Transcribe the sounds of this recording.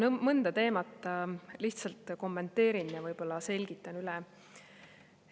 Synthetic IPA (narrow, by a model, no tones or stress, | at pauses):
mɤnd̪̥ɑt̪e̞ːmɑt̪ˑːɑliht̪sɑlt̪ko̞mːe̞nt̪ːe̞ːɾinjɑvɤjb̥o̞lːɑse̞lʲɡ̥it̪ːˑɑnylɛ